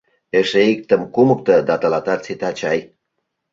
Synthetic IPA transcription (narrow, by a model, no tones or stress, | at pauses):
eʃeik̚t̪ə̆mkumək̚t̪ə̆d̪ɑt̪ɑlɑt̪ɑt͡set̪ɑt͡ɕɑj